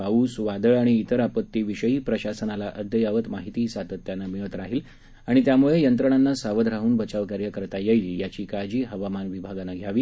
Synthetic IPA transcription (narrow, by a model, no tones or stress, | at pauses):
auːsʋad̪əɭaɽ̃iːt̪əɾapət̪ːiʋiɕəiːpɾəɕasənalaʔəd̪ʱjəjaʋət̪maɦit̪iːsat̪ət̪ːjanːamiʋət̪ɾaɦiːl | aɽ̃it̪jamuɭejənt̪ɾəɳ̃anːasaʋəd̪ʱɾaɦuːnbət͡ɕaʋkaɾjəkəɾt̪ajeiljat͡ɕiːkad͡ʑiːɦəʋamanʋibʱaɡanːaɡʱjaʋiː